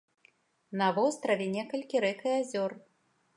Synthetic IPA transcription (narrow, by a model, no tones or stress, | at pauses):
nɐvɔst̪ɾɐvʲɛnʲɛkɐlʲkʲiɾɛkɨjazʲɔr